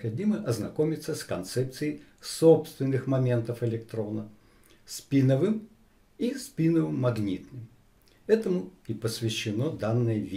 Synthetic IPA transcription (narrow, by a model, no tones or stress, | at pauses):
xɐdʲiməʔɐznɐkomʲɪt̪səskɐnt̪sɛp̚t̪sɨjɪ | sopst̪vʲɪnːɨxmɐmʲe̞nt̪əfɪlʲɪkt̪ɾo̞nə | spʲinəvɨm | ispʲinəvɨmːɐɡnʲit̪nɨm | ɛt̪əmʊipəsvʲɪɕːɪno̞d̪anːɨjəvʲ